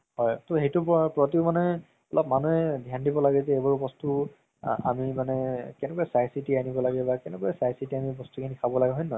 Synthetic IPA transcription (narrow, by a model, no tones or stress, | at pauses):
hɔjtɔɦejtʊppɹɔt̬iʊmanɛ | ɔlɔp̚manuɛdʱjandibɔlaɡɛzɛebɔɹbɔstu | a̰mimanɛkɛnɛkɔɛsajsitianibɔlaɡɛbakɛnɛkɔɛsajsitiamibɔstukʰinikʰabɔlaɡɛɦɔjnɔ